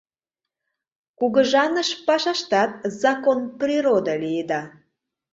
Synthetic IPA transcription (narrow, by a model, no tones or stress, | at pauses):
kuɣəʒɑnəʃpɑʃɑʃt̪ɑt̪̚zɑkonprʲiɾod̪əlijəd̪ɑ